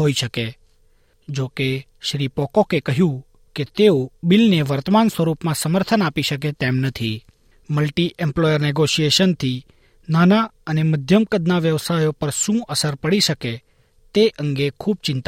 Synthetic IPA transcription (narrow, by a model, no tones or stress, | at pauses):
ɦoiʃəke | d͡ʒoke | ʃɾipɔkokekəɦjũ | ket̪eobɪlneʋəɾt̪əmansʋəɾupmãsəməɾt̪ʰənapiʃək̬et̪emnət̪ʰi | məlʈiʔɛmplɔjəɾnɛɡoʃijeʃənt̪ʰi | nana | əneməd̪ʱjəmkəd̪naʋjəʋsajopəɾʃũʔəsəɾpəɽiʃəke | t̪eʔəŋɡekʰuːb̚t͡ʃɪ̃nt̪